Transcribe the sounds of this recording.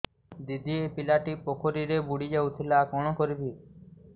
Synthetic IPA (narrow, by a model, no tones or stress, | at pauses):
d̪id̪iepilaʈipokʰoɾiɾebuɽid͡ʒawt̪ʰilakɔɽ̃ɔkɔɾibʱi